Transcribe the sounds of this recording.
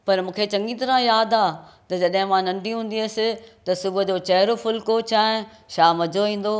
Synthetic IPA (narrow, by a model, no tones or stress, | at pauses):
pɐɾmũːkʰet͡ɕɐ̃ŋɡit̪ɐɾãjaːd̪aːt̪ɐd͡ʑɐɗɦɪ̃mãnɐ̃ɳɖʱiɦũːnd̪iəːsɪ̆t̪ɐsʊbʱəd͡ʑoːt͡ɕɐɦɾofʊlkot͡ɕaːɪ | ʃaːmɐd͡ʑʱoʋĩːn̆d̪oː